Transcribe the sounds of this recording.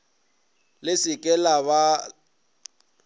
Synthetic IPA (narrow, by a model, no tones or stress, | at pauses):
lɪsɪkʼɛlaβa